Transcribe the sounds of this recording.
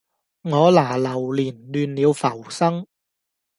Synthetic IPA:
ŋɔː˨˧laː˨˩lɐ˨˩wliː˨˩nlyː˨nliː˨˧wfɐ˨˩wsɐ˥ŋ

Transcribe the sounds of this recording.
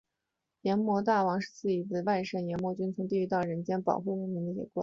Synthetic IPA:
jɛ˧˥nmwɔ˧˥t̪a˥˩wɑ˧˥ŋʂɻ̩˥˧t͡sɹ̩˥˩i˨˩t͡se˥˧ɪwa˥˧ɪʂa˥˩njɛ˧˥nmwɔ˧˥t͡ɕy˥nt͡sʰɤ˧˥ŋt̪i˥˩i˧˥t̪ɑ˥˩ʊɻə˧˥nt͡ɕjɛ˥npɑ̰˨˩ʊxu˥˧ɪwə˥˩nmi˧˥nə˧˩jɛ̰˨˧˩kwa̰˥˩˦

